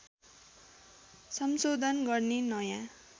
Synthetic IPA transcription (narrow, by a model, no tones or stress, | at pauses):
sʌmsod̪ʱʌnɡʌrnenʌjã